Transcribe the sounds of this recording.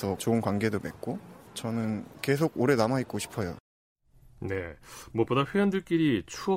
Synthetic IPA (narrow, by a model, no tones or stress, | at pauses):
ʌt͡ɕoɯnkwaŋɡe̞domek̚k͈ot͡ɕʌnɯnke̞sʰoɡ̚oɾe̞namait̚k͈oɕʰi̥pʰʌjo̰ | ne̞mwʌp͈odaɸwejʌndɯɭk͈iɾit͡ɕʰuʌ